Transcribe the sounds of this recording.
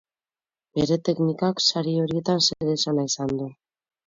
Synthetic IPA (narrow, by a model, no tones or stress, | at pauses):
be̞ɾe̞t̪e̞knikaksaɾio̞ɾie̞t̪anseɾesanaisand̪u